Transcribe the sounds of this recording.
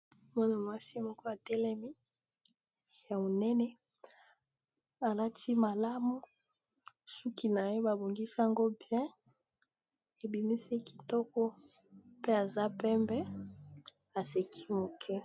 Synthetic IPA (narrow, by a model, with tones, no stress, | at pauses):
ma˦na˨mwa˦si˦mɔ˦ko˦a˨tɛ˦lɛ˦mi˦ | ja˨mo˨nɛ˦nɛ˦ | a˨la˦tʰi˦ma˨la˦mu˦ | su˦ki˨na˨je˦ba˨bo˨ŋɡi˦si˦a˨ŋɡo˦bjɛ̃˦ | e˨bi˨mi˦se˦ki̥˨tɔ˦kɔ˦ | pe˦a˨za˦pɛ˦mbɛ˦ | a˨se˨kʰi̥˦mo˨kʰɛ˦